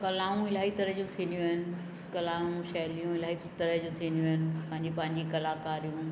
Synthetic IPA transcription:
kɐlaːũɪl̤aːit̪ɐɾəɦd͡ʑũt̪ʰĩːnd̪jũɦɪnɪ̆ | kɐlaːũʃɐːlijũɪl̤aːɦit̪ɐɾəd͡ʑũːt̪ʰiːnd̪jũɦɪnɪ̆pɐ̃ɦɪ̃ɲd͡ʑipɐ̃ɦɪ̃ɲd͡ʑikɐlaːkaːɾijũ

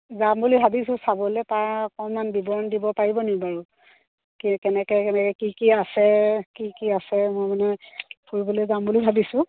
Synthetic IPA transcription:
zambulibʱabisʊ̃sabɔlɛpakɔmːanbibɔɹɔndibɔpaɹibɔnibaɹu | kikɛnɛkɛkɛnɛkɛkikiasɛkikiasɛmʊjmanɛpʰuɹbɔlɛzambulibʱabisʊ̃

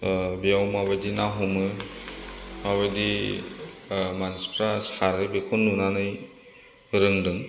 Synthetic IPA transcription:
bijawmaβajdinaɦumɯ | maβajdi | manispʰɾasaɾɯbekʰunːunanɯj | ɾɯŋdɯŋ

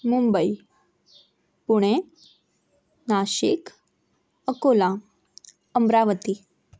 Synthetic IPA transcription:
mumbəi | puɽ̃e | naɕik | əkola | əmɾaʋət̪i

